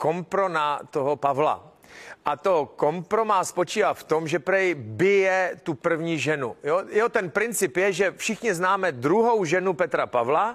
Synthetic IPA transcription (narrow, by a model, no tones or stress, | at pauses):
ko̞mpɾonat̪oɦopavla̰ | ʔat̪oko̞mpɾomaːspot͡ʃiːvaːft̪omʒɛpɾɛjbɪjɛt̪upr̩vɲiʒɛnujojot̪ɛnpɾɪnt͡sɪpjɛʒɛfʃɪxɲɪznaːmɛd̪ɾuɦo̞wʒɛnupɛt̪ɾapavla